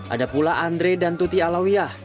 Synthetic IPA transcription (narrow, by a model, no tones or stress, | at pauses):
ʔa̰dapulaʔand̪ɾedant̪ut̪ialawijah